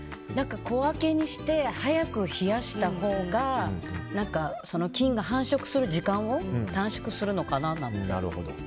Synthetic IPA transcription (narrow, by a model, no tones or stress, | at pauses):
nãŋkako̞ake̞ɲ̟iɕi̥t̪e̞hajakɯ̟çijaɕi̥t̪aho̞ːɡanãŋkaso̞no̞kʲĩŋɡaɦãɰ̃ɕo̞kɯ̟̥sɨɾɯ̟ʑikãɰ̃o̞t̪ãɰ̃ɕo̥kɯ̟sɨɾɯ̟no̞kananã̰nt̪ea̰ɾɯ̰hod̪o̰